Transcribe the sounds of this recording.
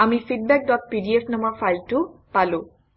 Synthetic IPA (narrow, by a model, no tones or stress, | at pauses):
amifiɖ̚bɛk̚ɖɔʈ̚piɖiefnɔmaɾfajlʈupalo